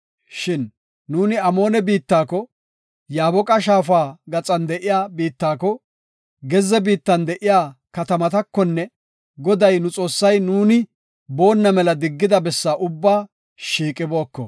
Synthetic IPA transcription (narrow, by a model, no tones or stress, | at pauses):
ʃɪnː | uːnɪɐmo̞ːnɛbiːt̪ːaːkɔ | jaːbɔkʼɐʃ̬aːfaːɡɐt͡sʼɐnd̪ɛʔɪjaːbiːt̪ːaːkɔ | ɡɛzːɛbiːt̪ːɐnd̪ɛʔɪjaːkɐt̪ɐmɐt̪ɐkːɔnːɛ | ɡɔd̪ɐjnʊt͡sʼo̞ːsːɐjnuːnɪ | bo̞ːnːɐmɛlɐd̪ɪɡːɪd̪ɐbɛsːaːʔʊbːaː | ʃiːkʼːɪbo̞ːkːɔ̰